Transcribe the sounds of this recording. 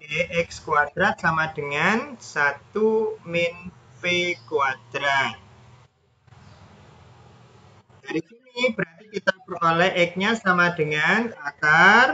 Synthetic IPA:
eʔɛkskuat̪ɾasamad̥əŋansat̪umɪnpekuat̪ɾa | d̥a̤ɾisinibɾaɾikit̪apɾolɛʔɪk̚ɲasamad̥əŋanat̪ar

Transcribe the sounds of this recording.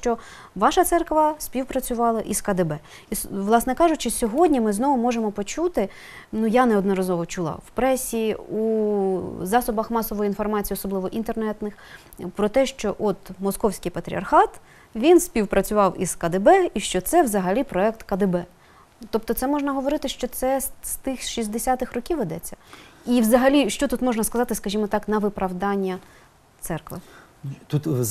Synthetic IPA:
t͡ʃɔ | ʋɑʃɐt̪sɛrkʋɐsʲpʲiwpɾɐt͡sʲʊʋɑlˠɐʔiskɐd̪ɪbɛ | isʋlˠɑsnɛkɑʒʊt͡ʃɪsʲɔɦɔdʲnʲimɪznɔʋʊmɔʒemɔpɔt͡ʃut̪ɪ | nujanɛɔd̪nɔɾɐzɔʋɔt͡ʃʊlˠɑ̰wpɾɛsʲiu | zɑsʊbɐxmɑsɔʋɔjinfɔrmɑt͡sʲijɔsɔblˠɪʋɔʔint̪ernɛt̪nɪx | pɾɔt̪ɛʃt͡ʃɔʔɔt̪mɔskɔwsʲkʲijpɐt̪ɾʲḭɐ̰rxɑt̪ | ʋʲinsʲpʲiwpɾʔɐt͡sʲʊʋɑwiz̥kɐd̪ɪbɛiʃt͡ʃɔt̪sɛʋzɐɦɐlʲipɾɔɛkt̪kɐd̪ɪbɛ | t̪ɔp̚t̪ɔt̪sɛmɔʒnɐɦɔʋɔɾɪt̪ɪʃt͡ʃɔt̪sɛst̪ɪxʃizʲd̪esʲat̪ɪxrɔkʲiʋɪd̪ɛt͡sʲːɐiʋzɐɦɐlʲiʃt͡ʃɔt̪ut̪mɔʒnɐskɐzɑt̪ɪskɐʒʲimɔt̪ɑknɐʋɪpɾɐwd̪ɑnʲːɐ | t̪sɛrkʋɪ̰ | t̪ut̪

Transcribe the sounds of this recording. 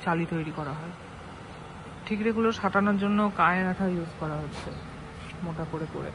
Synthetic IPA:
t͡ɕalit̪ojɾikɔɾaɦɔe | ʈʰikɾeɡuloʃaʈanoɾd͡ʑonːokaeɾaʈʰaɾjud͡ʑʱkɔɾaɦotːɕʰe | moʈakoɾepo̰ɾḛ

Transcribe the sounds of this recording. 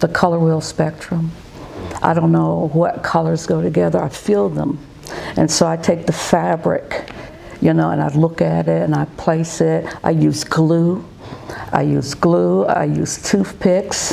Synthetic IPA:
ðəkʰʌlˠə˞wɪlˠspɛk̚tɹ̥ə̃m | ʔaɪɾõʊ̃nːoʊwʌt̚kʰʌlˠə˞zɡoʊɾɨɡɛðə˞aɪfilˠðə̰̃m | ʔɨ̃nsoʊaɪtʰeɪk̚ðɨfæbɹɪ̰k | jɨnoʊə̰̃naɪlʊkɨɾɪtɨ̃naɪpʰl̥eɪsɪt̚ʔaɪjʉzɡlu | ʔa̰ɪjʉzɡlua̰ɪjʉ̰z̥tʰʉfpʰɪks

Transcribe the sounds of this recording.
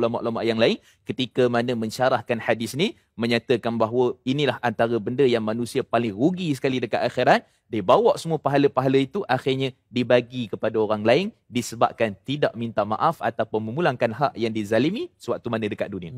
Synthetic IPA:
lama̰ʔlamaʔjaŋlaɪn | kət̪ikəmanəmə̃ɲt͡ʃaɾahkanħadɪsni | məɲat̪əkanbaɦwəinilahʔant̪aɾəbəndəjaŋmanũsiapalɪŋruɡisə̥kalidəkat̪axiɾat̪̚ | dibawaʔsəmuəpaɦaləpaɦaləit̪uʔaxɪrɲã | dibaɡikəpadaoɾaŋlaɪn | disəba̰p̚kant̪idaʔmint̪ama̰ʔafa̰t̪apʊnməmulaŋkanɦaʔjaŋdizalimisəwaʔ̚t̪umanə̃dəkat̪̚dunia

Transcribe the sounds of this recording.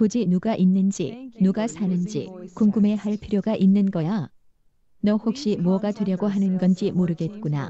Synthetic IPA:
kod͡ʑinuɡaʔinːɯnd͡ʑḭnuɡasʰanɯnd͡ʑḭkuŋɡume̞haɭpʰiɾjoɡaʔinːɯnɡʌja | nʌhok̚ɕ͈imuʌɡatweɾjʌɡoɦanɯnɡʌnd͡ʑimoɾɯɡe̞t̚k͈una̰

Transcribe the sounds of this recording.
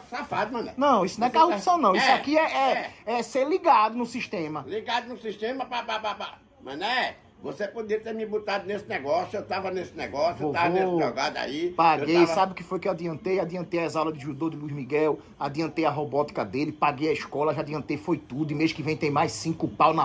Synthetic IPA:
safad̪ɪmɐ̃nɐnɐ̃w̃isʊnɐ̃ɛkahsɐ̃w̃nɐ̃w̃isakiɛɛɛseɾliɡad̪ʊnʊsiʃt̪ẽmɐliɡad̪ʊnʊsiʃt̪ẽmɐpapapapa | mɐ̰̃nɛ | vosepod̪iɐt̪eɾmĩbot̪ad̪ʊnesɪnɛɡɔsjʊewt̪avɐnesɪnɛɡɔsjuovt̪avɐesaɡad̪a̰ipaɡejsabɪʊkɪfojukewad̪iɐ̃nt̪ejad̪iɐ̃nt̪ejaɛzawlɐd̪ɪʒud̪od̪ɪluizmiɡɛw | ad̪iɐ̃nt̪ejɐɦobɔt̪i̥kɐd̪elɪpaɡejɐiʃkɔlɐʒad̪iɐ̃nt̪ejfojt̪ud̪ʊimezʊkɪvẽj̃t̪ẽj̃majssĩkʊpawnɐ

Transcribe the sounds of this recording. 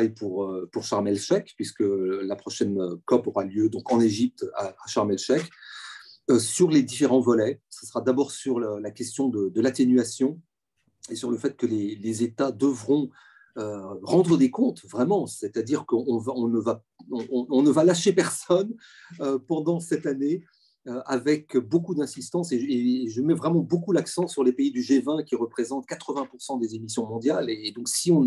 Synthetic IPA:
jpuʁøpuʁʃaʁmɛlʃɛkpɥiskəlapχɔʃɛnøkɔpɔʁaljød̪ɔ̃kɑ̃neʒip̚t̪aːʃaʁmɛlʃɛk | øsyʁled̪ifeʁɑ̃vɔlɛsḁsə̥ʁad̪abɔʁsyʁləlakʲɛst̪jɔ̃d̪əd̪əlat̪enɥasjɔ̃ | esyʁləfɛt̪̚kəlelezet̪ad̪əvʁɔ̃ | øʁɑ̃d̪ʁəd̪ekɔ̃t̪vʁɛmɑ̃sɛt̪ad̪iʁkəɔ̃vaɔ̃nəva | ɔ̃ɔ̃nəvalaʃepɛʁsɔn | øpɑ̃d̪ɑ̃sɛt̪ane | øavɛkbokud̪ɛ̃sist̪ɑ̃seʒeʒəmɛvʁɛmɑ̃bokulaksɑ̃syʁlepeid̪yʒevɛ̃kʲiʁəpχezɑ̃t̪kat̪χəvɛ̃puʁsɑ̃d̪ezemisjɔ̃mɔ̃d̪jaleːd̪ɔ̃ksiɔ̃

